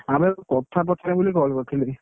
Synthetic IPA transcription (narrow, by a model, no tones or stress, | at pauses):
amuɛkɔtʰap̬ɹɔtʰanɛbulikɔɦlkɔkʰili